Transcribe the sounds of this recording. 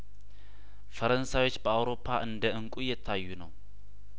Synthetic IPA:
fəɾənsajwo̞t͡ʃːbəawɾo̞pʰːaʔɨnd̪əʔɨŋkʼujɛt̪ʰːajːunəw

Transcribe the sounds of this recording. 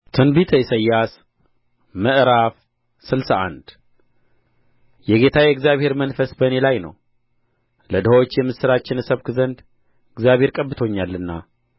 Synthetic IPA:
t̪ʰɨnbit̪ʰəjsəjːas | məʔɾaf | sɨlsaʔa̰nd̪ | jɛɡe̞t̪ʰajɛɡzijaβhe̞ɾmənfəsbənelajnə̰w | ləd̪əhwot͡ʃːjɛmːɨsɨɾat͡ʃːɪnɨsəβkɨzənd̪ | ɨɡzijaβhe̞ɾkʼəbːɨt̪ʰo̞ɲːalːɨnːa

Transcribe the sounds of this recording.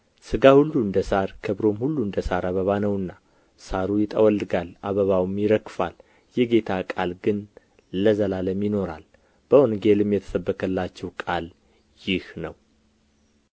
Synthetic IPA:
sɨɡahulːuɨnd̪əsaɾkʰəβɾo̞mhulːuɨnd̪əsaɾaβəβanəwɨnːa | saɾujɪt̪ʼəwɔlːɨɡalaβəβawmjɪɾəkːfal | jɛɡe̞t̪ʰakʼalɡɨnː | əzəlaləmjɪno̞ɾa̰l | b̥əwɔnɡe̞lɨmjɛt̪ʰə̥səbːəkʰəlːat͡ʃːɛwkʼal | jɪhnəw

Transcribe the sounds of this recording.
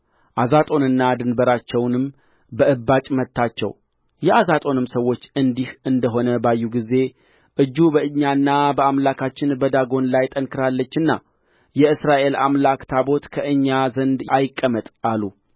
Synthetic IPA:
ʔazat̪ʼo̞nɨnːad̪ɨnbəɾat͡ʃːɛwnɨm | bəɨbːat͡ʃʼmət̪ʰːat͡ʃːɛ̰w | jɛazat̪ʼo̞nɨmsəwːo̞t͡ʃːɨnd̪ihʔɨnd̪əɦo̞nəbajːuɡize̞ | ʔɨd͡ʒːubəɨɲːanːabəamlakʰat͡ʃːɪnbəd̪aɡo̞nlajt̪ʼənkʰɨɾalːət͡ʃːɨnːa̰ | jɛɨsɾaʔe̞la̰mlakt̪ʰabo̞t̪kʰəʔɨɲːazənd̪ajɪkʼːəmət̪ʼalu

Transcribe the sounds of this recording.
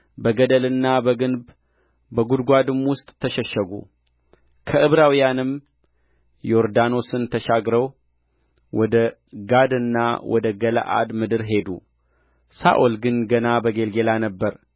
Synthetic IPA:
bəɡəd̪əlɨnːabəɡɨnb | bəɡud̪ɡʷad̪ɨmwʊst̪ʼʰːəʃɛʃːəɡṵ | kʰəʔɨβɾawijanɨm | jo̞ɾd̪ano̞sɨnt̪ʰəʃaɡɾəw | wɔd̪ə | ɡad̪ɨnːa̰wʔɔ̰d̪əɡəla̰ʔa̰d̪mɨd̪ɨɾɦe̞d̪ṵ | sa̰ʔolɡɨnɡənabəɡe̞lɡe̞lanəbːəɾ

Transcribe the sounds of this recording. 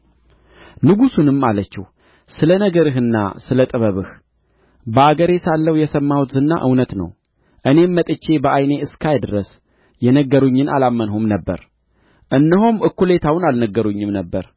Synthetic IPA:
nɨɡusunɨmːalət͡ʃːɛh | sɨlənəɡəɾɨɦɨnːa̰sɨlət̪ʼɨβəβɨh | bəaɡəɾe̞salːəwjɛsəmːawut̪zɨnːa̰ʔɨwnət̪nə̰w | ʔɨne̞mːət̪ʼɨt͡ʃːe̞bəʔajne̞ɨskʰajd̪ɨɾəs | jɛnəɡːəɾuɲːɨnʔa̰lamːənhumnəbːə̰ɾ | ʔɨnːəɦomɨkːule̞t̪ʰawnalnəɡːəɾuɲːɨmnəbːəɾ

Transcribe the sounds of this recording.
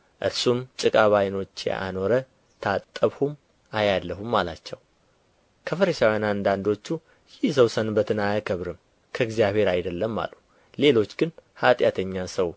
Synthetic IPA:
ʔɨ̰ɾsumt͡ʃʼɨkʼaβajno̞t͡ʃːjɛ̰ʔa̰no̞ɾə | t̪ʰat̪ʼːəβhum | ajalːəɦumːalat͡ʃːɛw | kʰəfəɾəʃawjanand̪and̪o̞t͡ʃːu | jɪhzəwsənbət̪ʰɨnajakʰəβɾɨm | kʰəɨɡzjaβhe̞ɾajd̪əlːəmːa̰lu | le̞lo̞t͡ʃːɡɨnhat̪ʼjat̪ʰəɲːansəw

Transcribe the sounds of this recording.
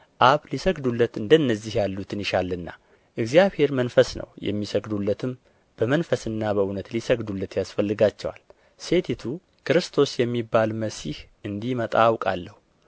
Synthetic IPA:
ʔaβlisəɡd̪ulːət̪ɨnd̪ənːəzːihjalːut̪ʰɨnɪʃalːɨnːa̰ | ʔɨɡzjaβhe̞ɾmənfəsnə̰wjɛ̰mːisəɡd̪ulːət̪ʰɨm | b̥əmənfəsɨnːaβəunət̪lisəɡd̪ulːət̪jasfəlːɨɡat͡ʃːɛwa̰l | se̞t̪ʰit̪ʰu | kʰɨɾɨst̪ʰo̞sjɛmːibːalməsihʔɨnd̪imət̪ʼawkʼa̰lːəhu

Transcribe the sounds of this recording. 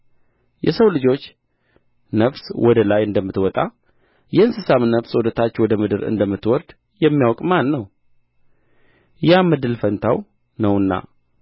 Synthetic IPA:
jɛsəwlɨd͡ʒo̞t͡ʃː | nəfswɔd̪əlajɨnd̪əmːɨt̪wɔt̪ʼa | jɛɨnsɨsamnəfswɔd̪ət̪ʰat͡ʃːwɔd̪əmɨd̪ɨɾɨ̰nd̪əmːɨt̪wɔɾd̪̥ | jɛmːijawkʼmanːəw | jamɨd̪ɨlfənt̪ʰaw | nəwɨnːa̰

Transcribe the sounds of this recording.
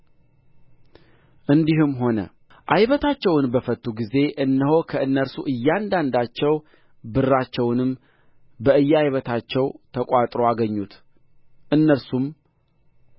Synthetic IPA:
ʔɨnd̪ihumɦo̞nə̰ | ʔajβət̪ʰat͡ʃːɛwnbəfət̪ʰʼːuɡize̞ʔɨnːəho̞kʰəɨnːəɾsuʔɨjːand̪and̪at͡ʃːɛw | bɨrːat͡ʃːɛwnɨm | bəɨjːajβət̪ʰat͡ʃːɛwt̪ʰəkʼat̪ʼɾo̞aɡəɲːut̪ | ʔɨnːəɾsum

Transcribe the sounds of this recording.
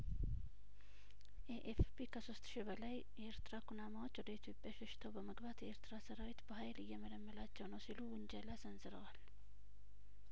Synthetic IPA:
ʔɛʔefpikʰəsost̪ʃibəlaj | jɛʔeɾt̪ɨɾakʰunamawo̞t͡ʃːwɔd̪əit̪ʰjo̞pʼːjaʃɛʃɪ̥t̪ʰəwbəməɡbat̪jɛeɾt̪ɨɾasəɾawit̪bəɦajlɨjːɛmələmːəlat͡ʃːɛwnəwsiluwɨnd͡ʒəlazənzɨɾəwal

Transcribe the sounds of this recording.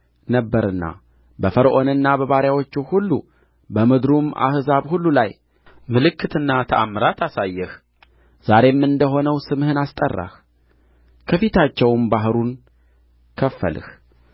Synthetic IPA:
nəbːəɾɨnːa̰ | bəfəɾʔo̞nɨnːabəβaɾjawo̞t͡ʃːuhulːu | bəmɨd̪ɾumʔa̰hzaβhulːulaj | mɨlɨkʰːɨt̪ɨnːat̪ʰəʔamɨɾat̪ʰasajːɛh | z̥aɾe̞mːɨnd̪əɦo̞nəwsɨmhɨnast̪ʼərːa̰h | kʰəfit̪ʰat͡ʃːɛwmbaɦɾun | kʰəfːə̰lɨ̰h

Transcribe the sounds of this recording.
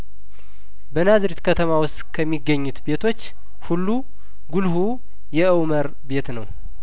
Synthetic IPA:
bənazɾit̪kʰət̪ʰəmawʊst̪kʰəmːiɡːəɲːut̪be̞t̪ʰo̞t͡ʃː | hulːu | ɡulhu | jɛʔɨwməɾ | be̞t̪nəw

